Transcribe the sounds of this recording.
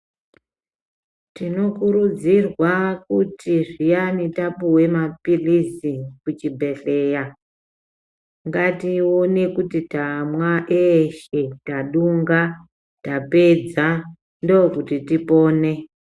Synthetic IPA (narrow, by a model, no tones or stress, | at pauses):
tino̞kuɾud͡zirwakutiʐijanitapuwe̞mapilisikut͡ʃibʱe̞ɬe̞ːja | ŋɡatio̞ne̞kutitamwaʔeʃe̞taɗuŋɡa | tape̞d͡za | ndookutitipo̞ːne̞